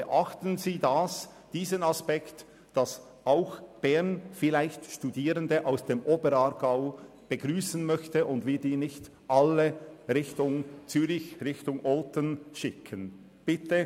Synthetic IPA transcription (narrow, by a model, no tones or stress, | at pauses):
ɛʔaχtənziːdas | d̥iːzənaspɛkt | d̥ɑs | aʊxb̥ɛʁnfɪlaɪçtʃtudiːɾəndəʔaʊsd̥eːmʔoːbəɾaɾɡaʊ | b̥əɡʁyːsən̩mœçtəʔʊndvɪːdiːnɪçt | ʔaləʁɪçtʊŋt͡syːɾɪçʁɪçtʊŋʔɔltənʃɪkʰən | b̥ɪtə